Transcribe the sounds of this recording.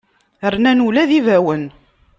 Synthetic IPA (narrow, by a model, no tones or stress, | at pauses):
əɾnænulæðivæwən